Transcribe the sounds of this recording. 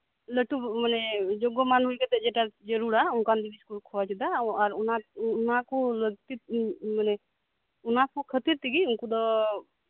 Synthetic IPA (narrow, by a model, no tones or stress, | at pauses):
ləʈumaned͡ʒoɡɔmanuket̪ed͡ʒeʈad͡ʒəɾuɾaunkand̪ibiskuɾkʰɔat͡ʃid̪aaɾunanakuləɡt̪it̪manɛ | unakukʰət̪iɾt̪iɡiunkud̪ɔ